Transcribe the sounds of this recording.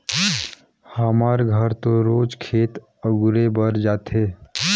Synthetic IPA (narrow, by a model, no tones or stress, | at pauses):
həmaɾɡʱəɾt̪oɾod͡ʒkʰeːt̪ | əɡuɾebəɾd͡ʒaːt̪ʰe